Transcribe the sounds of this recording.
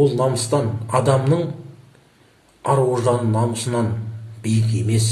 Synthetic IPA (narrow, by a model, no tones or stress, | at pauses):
olˠnɑməst̪ɑnɑd̪ɑmnəɴ | ɑɾwoʒɑnənɑməsənɑnbejɪk̬ʲe̞me̞s